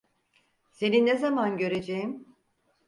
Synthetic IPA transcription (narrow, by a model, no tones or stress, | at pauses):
se̞ninezamanɟø̞ɾe̞d͡ʒejim